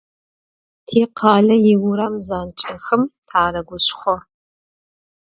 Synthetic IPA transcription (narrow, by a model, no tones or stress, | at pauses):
tʰeːqʰɑːɮɐjɪwʊɾɐmzaːnt͡ʃʼɐxɨmtʰaːɾɐɡʷʊɕχʷɔ